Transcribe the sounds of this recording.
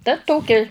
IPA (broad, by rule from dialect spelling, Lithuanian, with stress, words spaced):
tɐ ˈtoːkʲɪ